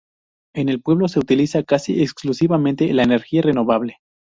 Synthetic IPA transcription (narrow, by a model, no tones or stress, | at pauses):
e̞ne̞lpwe̞β̞lo̞seut̪ilisakasieksklusiβamẽ̞nt̪elaene̞ɾxiare̞no̞βaβle̞